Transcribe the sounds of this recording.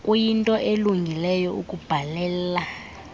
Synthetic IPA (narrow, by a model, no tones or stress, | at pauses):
kʼujintʼɔʔeluŋɡʱilɛjɔṵkʼub̥ʱalɛːla